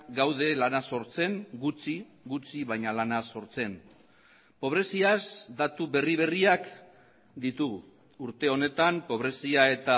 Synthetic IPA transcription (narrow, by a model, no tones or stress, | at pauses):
ɡawðe̞lanaso̞ɾt͡se̞ŋɡut͡si | ɡut͡siβajɲalanaso̞ɾt͡se̞n | po̞β̞ɾe̞siazd̪at̪uβe̞riβ̞e̞riak | d̪it̪uɣu | uɾt̪e̞o̞ne̞t̪ampo̞β̞ɾe̞siae̞t̪a